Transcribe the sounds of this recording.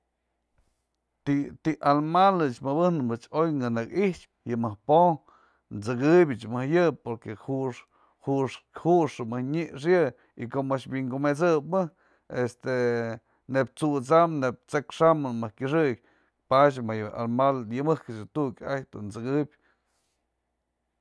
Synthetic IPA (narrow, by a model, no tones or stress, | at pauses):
t̪it̪iʔalmalɨt͡ʃmɨbɨhnɨmɨt͡ʃojŋɨnɨkiht͡ʃ̚ | jɨmɨhpo | nt͡sɨkɨbʲɨt͡ʃmɨhjɨpoɾkehuʂ | huʂhuʔʂɨmɨhɲiʔʂ̬jɨ | ikomaʃbiŋɡumet͡sɨbmɨ | est̪e | nep̚t͡sut͡samneb̚t͡sekʂamɨmɨhkʲɨʂ̬ɨk̚ʲ | pat͡ʃ̬majɨa̰lmaljɨmɨhkɨt͡ʃɨt̪ukʲajt̪unt͡sɨkɨbʲ